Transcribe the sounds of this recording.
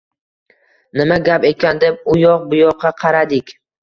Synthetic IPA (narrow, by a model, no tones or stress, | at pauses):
nɪmaɡʲape̞kʲand̪e̞p̚ʊjɒq̚bʊjɒqʰːɑqʰɑɾad̪ɪkʲ